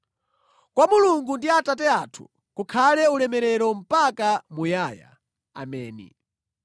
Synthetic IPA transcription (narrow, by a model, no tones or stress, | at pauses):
kwamuluŋɡundiatatɛatʰu̥̰ | kukʰalɛulɛmɛɾɛɾɔm̩pakamujaːja̰ | a̰mɛːnḭ